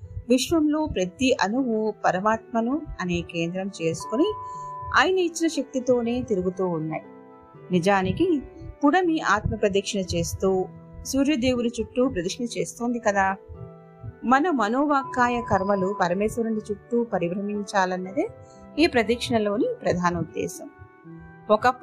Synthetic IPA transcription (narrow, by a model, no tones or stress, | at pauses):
ʋiʂʋɐmlo̞ːpɾɐt̪iʔɐnuʋupɐɾɐmaːt̪̚mɐnuɐneːke̞ːnd̪ɾɐmt͡ʃe̞ːsu̥kuniaːjɐnɐit͡ʃːinɐʃɐk̚t̪it̪o̞ːne̞ːt̪iɾuɡut̪uːnːaːji | nid͡ʒaːnikipuɽɐniaːt̪mɐpɾɐd̪iːkʂɐnɐt͡ʃe̞ːst̪uːsuːɾjɐd̪e̞ːwuɾit͡ʃuʈːupɾɐd̪ɐkʂɐnɐt͡ʃe̞ːst̪oːnd̪ikɐd̪aː | mɐnɐmmɐno̞ːʋaːkaːjɐkɐɾmɐlupɐɾɐmesɐnɐɳɖit͡ʃuʈːupɐɾibɾɐmiɲt͡ʃaːlɐnːɐd̪e | eːpɾɐd̪iːkʂɐɳɐlo̞ːnipɾɐd̪ʱaːnɐud̪ːɛ̰ːsɐm | ɔkɐ